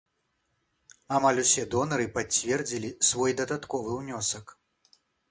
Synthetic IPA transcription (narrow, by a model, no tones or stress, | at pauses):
amalʲusʲɛd̪ɔnɐɾɨpat͡sʲːvʲɛrd͡zʲilʲisvɔjd̪ɐd̪at̪kɔvɨwnʲɔsɐk